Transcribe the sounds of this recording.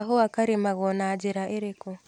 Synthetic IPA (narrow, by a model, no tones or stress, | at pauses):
ɦoakaɾemaɣonad͡ʒeɾaʔeɾeko